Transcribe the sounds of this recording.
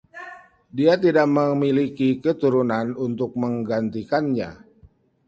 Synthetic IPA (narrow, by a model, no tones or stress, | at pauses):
diat̪̬idaʔməmilikikət̪uɾunanunt̪ʊk̚məŋɡant̪ikanɲa̰